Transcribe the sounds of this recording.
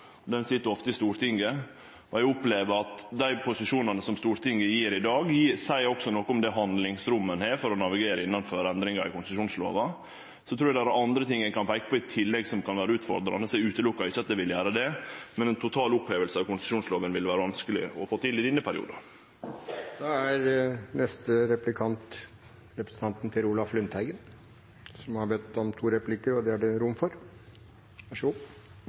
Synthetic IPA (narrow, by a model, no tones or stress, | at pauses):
d̪ɛnsɪt̪ːəɾɔft̪əɪst̪uːɾt̪ʰɪŋɡə | ɔæʊpleːʋəɾɑt̪d̪æɪpʰʊsɪʂuːnɑnəsɔmst̪uːɾt̪ʰɪŋɡəjiːɾɪd̪ɑːɡjisæɪɾɔksɔnɔkːɔmd̪ɛɦɑnd̪lɪŋsɾʊmːənheːɾfɔɾɔnɑʋɪɡeːɾəɪnːɑnføːɾəɛnd̪ɾɪŋɑɾɪkʊnsəʂuːnslo̰ːʋɑ | sɔt̪ʰɾuːjɑd̪æɾæʔɑnd̪ɾət̪ɪŋːəkʰɑnpʰæɪkːə̥pɔɪt̪ʰɪlːɛɡsɔmkʰɑnʋæːɾəʉːt̪fɔ̰ɾd̪ɾɑ̰nəsæʉːt̪əlʊkːɑɪçːəɑt̪̚d̪ɛʋɪljæːɾəd̪ɛmɛnɛnt̪ʰʊt̪ʰɑːlʊpheːʋəlsəɑʋkʊnsɪʃuːnsloːʋənʋɪlʋæːɾəʋɑnskəlɪ̰ɔfoːt̪ʰɪlɪd̪ɪnːəpʰæɾɪ̰ṵːd̪ɑ | sɔæɾnɛst̪əɾɛplɪkʰɑnt̪ | ɾɛpɾə̥sn̩t̪ʰɑnt̪nt̪ʰɪluːlɑflʉnt̪ʰhæɪɡən | sɔmhɑɾbɛt̪ːɔmt̪ʰuːɾɛplɪkəɾɔd̪ɛæɖɛɾʊmfɔɾ | æʂʊ